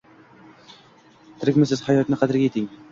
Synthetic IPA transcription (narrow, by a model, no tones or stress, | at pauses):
t̪ʰɪɾɪkʲmɪs̬ɪz̥hajɒt̪nɪqʰɑd̪ɪɾɡʲajet̪ʰɪŋ